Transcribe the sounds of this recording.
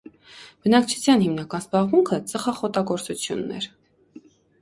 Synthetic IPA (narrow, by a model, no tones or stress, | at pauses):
b̥ənɑk̚t͡ʃʰu̥t͡sʰjɑnhimnɑkɑnzbɑʁmuŋkʰət͡səχɑχɔt̪ɑɡɔɾt͡sut͡sʰjṵnːɛ̰ɾ